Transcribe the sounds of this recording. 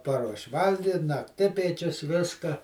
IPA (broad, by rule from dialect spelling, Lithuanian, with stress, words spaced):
ˈpɑːruɔʃʲ ˈʋɐlʲɡʲɪtʲ nɐkˈtʲɪpʲiɛt͡ʃʲʊs ˈʋʲɪskɐ